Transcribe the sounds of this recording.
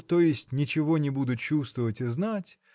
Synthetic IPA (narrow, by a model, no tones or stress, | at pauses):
t̪o̞jɪsʲtʲnʲɪt͡ɕɪvo̞nʲɪbud̪ʊt̪̚t͡ɕust̪vəvətʲɪznatʲ